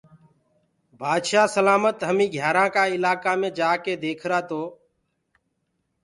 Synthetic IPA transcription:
bʱaːd̪ʃaːsəlaːmət̪ɦəmĩːɡʱjaːɾãːkaːɪlaːkaːmẽːd͡ʒaːkeːd̪eːkʰɾaːt̪oː

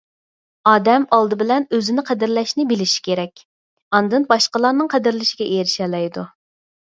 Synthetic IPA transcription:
ɑːd̪ɛmɑlˠd̪ɨbɪlɛnøzɪnɪqʰɛd̪ɪɾlɛʃnɪbɪlɪʃi̥kʲʰeɾɛkʲ | ɑnd̪ɨnbɑʃqəlˠɑɾnɨŋqʰɛd̪ɪɾlɪʃiɡʲɛʔeɾɪʃɛlɛjd̪u

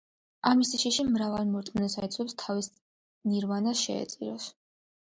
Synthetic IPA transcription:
amisiʃiʃimɾavalˠmɔɾt̪ʼmnɛsaɛt̪sʰwɛpst̪ʰavis | niɾvanasʃɛ̰ɛ̰t̪sʼiɾɔs

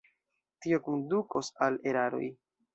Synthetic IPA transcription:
tio̞konduko̞sale̞ɾaɾo̞̰j

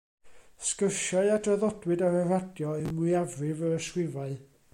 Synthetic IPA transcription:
skərʃaɨadrəðɔdwɨdaɾəradjɔɛmʊɨavrɪvəɾəʃwɪvaɨ

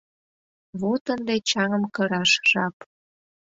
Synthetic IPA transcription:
βot̪ənd̪et͡ɕɑŋə̆mkəɾɑʃʒ̥ɑp

